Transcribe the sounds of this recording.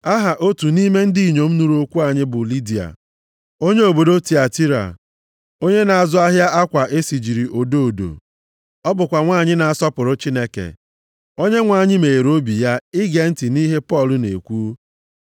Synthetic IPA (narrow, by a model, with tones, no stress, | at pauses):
a˦ɦa˨ʔo˦tu˨ni˦me˦n̩˦di˦i˨ɲo˨m̩˦nu˨ɾu˨˦o˦kʷu˦a˨ɲɪ˦bʊ˨li˦di˨a̰˨ | o˦ɲe˦o˨bo˨do˦ti˨a˨ti˦ɾa̰˨ | o˦ɲe˦na˨a˨zʊ˦a˦ɦja˦ʔa˦kʷa˨ʔe˦si˨d͡ʒi˨ɾi˨ʔo˨do˦o˨do̰˨ | ɔ˦bʊ˨kʷa˨ŋʷaː˦˨ɲɪ˦na˨a˨sɔ˦pʊ˨ɾʊ˦t͡ʃi˦ne˦kḛ˨ | o˦ɲe˦ŋʷa˨ɲɪ˦me˨e˨ɾo˦bi˨ja˦ɪ˦ɡe˨n̩˦tɪ˨ni˦ɦe˦pɔ˦˨lʊ˦nḛ˨kʷuː˦